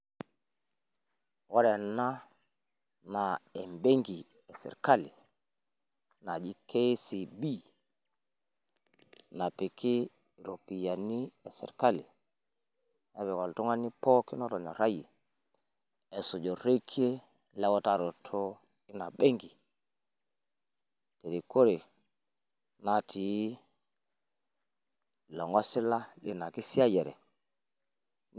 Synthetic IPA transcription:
wɔ˦ɾɛ˨na˦ | na˨ɛ˨mbe˦ŋɡi˨ | ɛ˨sɛ̰˨ɾka˦li˨ | na˨d͡ʒi˦kʰe˦si˨bi˦ | na˨pi˨kʰɪ˦˨ | ɾo˨pi˨ja˨ni˦ɛ˨sɛ̰˨ɾka˦lɪ˨ | ɛ˦βɛ˨kɔ˨ltu˦ŋa˦ni˦pɔ˦kɪ˦nɔ˦tɔ˨ɲɔ̰˨ɾa˦ji˨ | ɛ˨su˨d͡ʒo˨ɾe˦kʰi˦e˦ | lɛ˦wɔ˦ta˦˨ɾɔ˨tʰɔ˦ | ɪ˦na˨be˦ŋɡi˨ | te˨ɾi˨ko˦ɾe˨ | na˨tʰi˨˦˨ | lɔ˨ŋɡɔ˦sɪ˦la˦li˨na˨ki˦si˦a˦jɛ˨ɾɛ̰˨

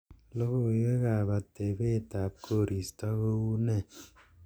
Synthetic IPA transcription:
lo˦ko˨˦e˦ka˨ba˨te˨be˦˨ta˨p̚kʰo˦˨ɾi˨stɔ˦ko˦wu˦ne˦˨

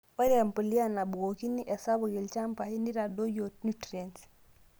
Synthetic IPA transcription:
wɔ˦ɾe˨mpə˨li˦a˦na˨bu˨ɡo˨ki˦ni˦ʔɛ˨sa˦bo˨ki˨lt͡ʃa˦mpa˨i˦ndi˦ɾa˨do˦jo˨t̚nu˦tɾi˨e˨nt

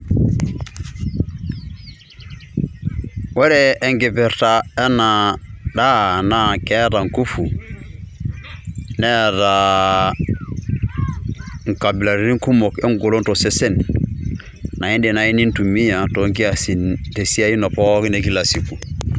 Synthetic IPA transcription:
we˦ɾeː˦˨ŋɡe˨pe˨ɾta˨e˦na˨da˦na˦kɛ˦ta˨ŋ˨ku˦fu˨ | ne˦da˨ | ŋ˨ka˨bi˨la˨ɾɾi˦ŋ˦ku˦mo˨ke˦ŋɡu˨lo˦nto˨se˦se˦˨n | na˨i˦ndi˨na˨i˦ni˦ntu˨mi˦ja˨to˨˦ŋk̬i˦a˨si˨nte˨si˦a˦i˦no˨po˦ki˦ne˨ki˦la˨si˨ku˨

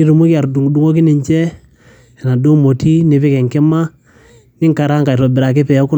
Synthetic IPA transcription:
i˦ɾu˨mu˦kɪ˦a˨ɾdu˨ŋ˨du˨˦ŋo˦k̬i˦ni˨ɲt͡ʃɛ˦ | ɛ˨na˨do˦mo˨ti˦ne˨pɛ˦kɛ˨ŋkɛ˦ma˦ | nɪ˦ŋka˨ɾa˦ŋka˨ɾɔ˨bɪ˨ɾa˨k̬ɛ˦pɛ˨ɔ˦ku˦

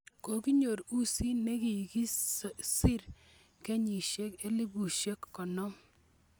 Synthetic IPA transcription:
ko˨ki˦ɲo˨ɾu˦si˦ne˦ki˨ki˦sɪ˦ɾ | ke˦ɲi˨ʃe˦ke˦li˦bu˨ʃe˦kːɔ˨nɔ˦m

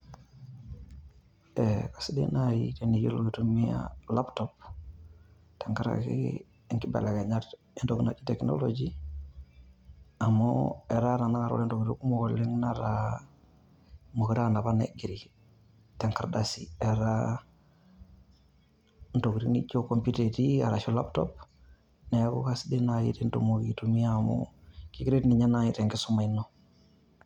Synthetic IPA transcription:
e˨kḁ˨si˦dḛ˦na˦jḭte˨ni˨jo˦lo˨ɡi˨tu˦mi˦ja̰la˦ptop̚ | te˨ŋka˦ɾa̰˨kḭ | ŋki˦ba̰˨la˨ɡa˨ɲa˦t | i˦nto˨ɡna˨t͡ʃi̥˦te˨kno̰lod͡ʒi | a˨moe˨ɾa˦ɾa˨na˦ŋa˨ɾo̰le˦nto˨ɡɾi˦ku˦mo˨kole˦ŋnaɾa | mo˨kiɾa˦na˨banḛɡiɾi | te˨ŋkaɾdasieɾa | nto˨kɾi˦nit͡ʃoko˨mpitetia˨ɾa˨ʃo˦la̰˦pto̰p | ne˦kṵ˦kasdi˦najḭtento̰˨moɡitumi˦amo̰kikiɾe˦tni˨ɲa˦nai˨te˨ŋki˦su˦ma˨inːo

